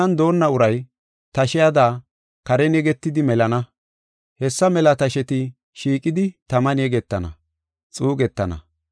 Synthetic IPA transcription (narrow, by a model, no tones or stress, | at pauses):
ɐnd̪o̞ːnːɐʊɾɐj | t̪ɐʃɪjad̪aː | kɐɾɛnɛɡɛt̪ːɪd̪ɪmɛlɐnɐ | hɛsːɐmɛlɐt̪ɐʃɛt̪ɪ | ʃiːkʼːɪd̪ɪt̪ɐmɐnɛɡɛt̪ːɐnɐ̰ | t͡sʼuːɡɛt̪ːɐnɐ̰